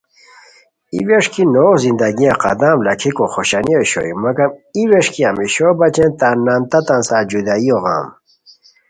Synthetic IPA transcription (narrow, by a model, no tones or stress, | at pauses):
ḭweʂkʰinoːzind̪ɐɡiãqɐ̰d̪ãːmlɐkʰikoxoɕanioɕo̰jumɐkɐmiweʂkiamiɕobɐt͡ɕent̪aːnːant̪ɐt̪ãnsaːd͡ʑud̪aioɣa̰ːm